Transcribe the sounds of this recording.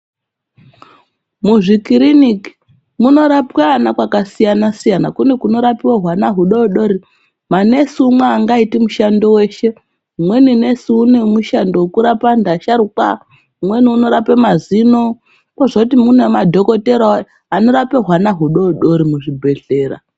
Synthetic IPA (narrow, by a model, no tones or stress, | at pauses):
muʐikiɾiniki̥ | muno̞ɾapkanakwakasijanasijanakune̞kuno̞ɾapiwaɦwanaɦuɗouɗo̞ɾi | mane̞siumweaŋɡaitimuʃando̞we̞ːʃe̞ | umwe̞nine̞siune̞muʃando̞kuɾapandaʃaɾukwa | umwe̞niuno̞ɾapemazino̞ | kwaʐokutimunemadʱo̞ko̞te̞ɾo | ano̞ɾapeɦwanaɦuɗouɗo̞ɾimuʐibʱe̞ɬe̞ːɾa̰